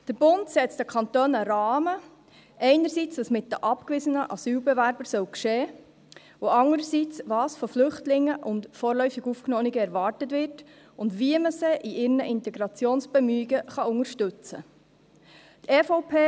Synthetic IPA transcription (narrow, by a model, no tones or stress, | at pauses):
d̥əɾb̥ʊntsɛt͡stəkʰɑnt̪oːnəɾɑːmə | ʔɛɪnəɾsiːt͡sdɑsmɪt̚d̥əʔɑpkʋɪzənəʔɑsyːlbɛʋæɾb̥əɾsœwkʃeː | oɑŋəɾəsit͡sʋɑːsfɔflʏχtlɪŋːəʔʊntfɔːɾlœʏfiɡufknoːniɡəɛɾʋɑːrtətʋɪɾt | ʊndʋiəməseʔiʔɪɾnəʔɪntɛɡɾɑt͡sjoːnsb̥ɛmyiɡəχɑʊŋəɾʃtʉt͡sə̰ | t̪ʰɛːfoʊpʰeː